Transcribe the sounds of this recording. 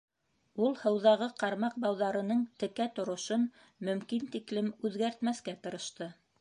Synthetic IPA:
ulˠhɤ̆wðɑʁɤqɑɾmɑq̚bɑwðɑɾɤ̆nɤɴt̪ɘ̆kæt̪ŏɾŏʃon | mɵ̆mkint̪iklɘmʉðɡæɾt̪mæθkæt̪ɤ̆ɾɤ̆ʃt̪ɤ

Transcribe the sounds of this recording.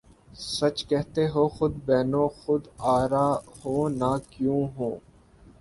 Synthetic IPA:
sət͡ʃkɛɦt̪eːɦoːxʊd̪bɛːnõːxʊd̪aːɾaːhõːnaːkjũːɦõː

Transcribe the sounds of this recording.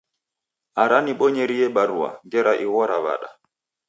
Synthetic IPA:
aɾaniɓɔɲɛɾijɛɓaɾua̰ŋɡɛɾaʔiwɔɾaβa̰ɗa̰

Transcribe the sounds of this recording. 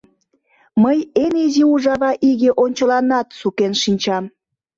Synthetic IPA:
məjeniziuʒɑβɑʔiɣeʔonʲt͡ɕəlɑnɑt̪sukenʃinʲt͡ɕɑm

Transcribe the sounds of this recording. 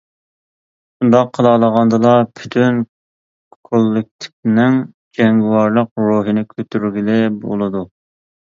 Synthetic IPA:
und̪ɑqʰːəlˠɑlˠəʁɑnd̪ɨlˠɑpʰy̥t̪ʰyn | kʰolˠːɪk̚ʲt̪ʰɪ̥k̚ʲnɪŋ | d͡ʒɛŋɡʲwɑɾlˠəqɾuːɦɨnɪkʲʰøt̪ʰyɾɡʲilɪbo̰lˠɨd̪u

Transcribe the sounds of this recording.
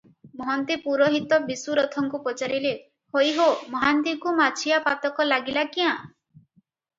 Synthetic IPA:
mɔɦɔnt̪epuɾɔɦit̪ɔbisuɾɔt̪ʰɔŋkupɔt͡ʃaɾile | hojɦomɔɦant̪ikumat͡ʃʰijapat̪ɔkɔlaɡilakiã

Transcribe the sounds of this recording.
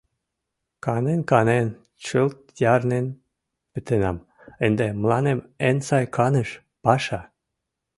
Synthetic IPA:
kɑnenkɑnen | t͡ɕəlt̪̚jɑrnen | pet̪enɑm | ənd̪emlɑnemensɑjkʰɑnə̆ʃ | pɑʃɑ

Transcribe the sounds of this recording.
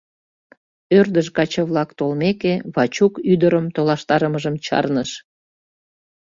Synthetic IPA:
ørd̪əʃkɑt͡ɕəβlɑkt̪olmekeβɑt͡ɕukyd̪əɾəmt̪olɑʃt̪ɑɾəməʒəmt͡ɕɑ̰rnəʃ

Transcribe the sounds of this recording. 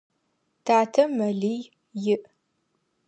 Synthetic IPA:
tʰaːtʰɐmɐɮij | jɪʔ

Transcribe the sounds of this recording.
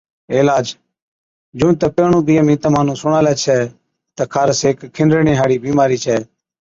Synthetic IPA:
eːlaːd͡ʒ | d͡ʒũːt̪əpeːɳũːbiːəmĩːt̪əmaːnũːsʊɳaːlɛːt͡ʃʰɛː | t̪əkʰaːɾseːkkʰːɪnɾeːɳĩːɦaːɽiːbiːmaːɾiːt͡ʃʰɛː

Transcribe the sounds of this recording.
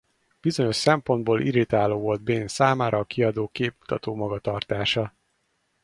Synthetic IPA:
b̥izo̞ɲo̞ʃsɛmpo̞nd̪boːlʔiɾit̪aːloːvo̞ld̪̚beːnsaːmaːɾʔɒːkiɒd̪oːkeːpmu̥t̪ɒt̪oːmɒɡɒt̪ɒrt̪aːʃɒ

